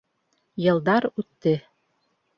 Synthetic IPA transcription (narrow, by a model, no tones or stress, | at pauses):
jɤ̆lˠd̪ɑɾʉt̪ːɘ